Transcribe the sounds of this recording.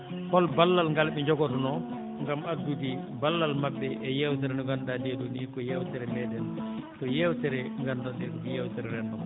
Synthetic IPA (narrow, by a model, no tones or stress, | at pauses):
kɔlbalːalŋɡalɓɛɲd͡ʒɔɡɔtɔnɔ | ŋɡamaduti | balːalmabːɛʔɛjɛwt̬ɛɾɛnɔɡandadɛdɔnikɔjɛwtɛɾɛmɛdɛn | tɔjɛwtɛɾɛŋɡandandɛɾkɔijɛwtɛɾɛɾɛndɔ